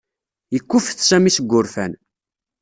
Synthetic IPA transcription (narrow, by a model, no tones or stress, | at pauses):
jəkʷːʊfθsæmisəɡʷːʊɾfæn